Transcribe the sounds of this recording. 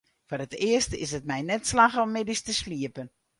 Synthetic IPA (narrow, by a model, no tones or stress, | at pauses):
forətɪəstɪ̰sət̚mɛjnɛtslaxɔmːɪdistəsliəpən